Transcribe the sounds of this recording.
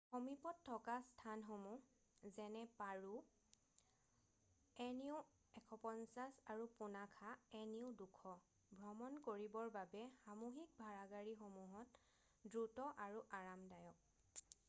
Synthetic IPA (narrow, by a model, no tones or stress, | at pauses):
xomipɔtʰːɔkastʰanxomu | zɛnɛpaɹu | ɛniʊ | ɛkʰɔpɔnsasaɹupunakʰaɛniʊdukʰɔ | bʱɹɔmɔnkoɹibɔɹbabɛxamuɦik̚bʱaɹaɡaɹixomuɦɔt | dɹutɔʔaɹuʔaɹamdajɔk̚